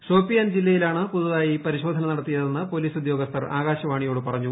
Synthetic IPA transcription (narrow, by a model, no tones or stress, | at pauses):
so̞ːpːijaːnd͡ʑilːɐjilaːɳɨpuðɐðaːjipɐɾiɕo̞ːd̪ʱɐnɐnɐɽɐt̪ːijɐðenːɨpo̞liːsud̪jo̞ːɡɐst̪ɐraːɣaːɕɐʋaːɳijo̞ːɽɨpɐrɐɲːu